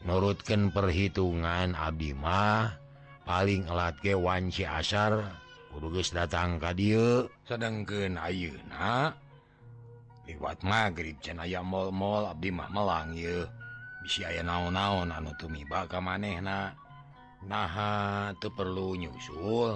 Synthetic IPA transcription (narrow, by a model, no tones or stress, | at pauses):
nuɾut̪̚kənpərɦit̪uŋana̰b̚dimah | paliŋəlat̪̚ɡɛwaɲt͡ʃɛa̰sar | kuduɡəsdat̪aŋkadiəsədəŋkənajəna | liwa̰t̪̚maɡɾip̚t͡ʃanajaʔmɔlmɔlab̚dima̰hməlaŋijəbisiajanaɔnaɔnanut̪umibaʔkamanɛhna | naɦat̪əpərluɲusul